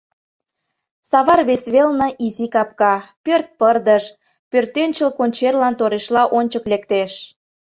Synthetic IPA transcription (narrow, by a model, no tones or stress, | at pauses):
sɑβɑrβesβelnə̆ʔizikɑp̚kɑpørt̪̚pərd̪əʃ | pørt̪ønʲt͡ɕəlkonʲt͡ɕerlɑnt̪oɾeʃlɑʔonʲt͡ɕəklekt̪eʃ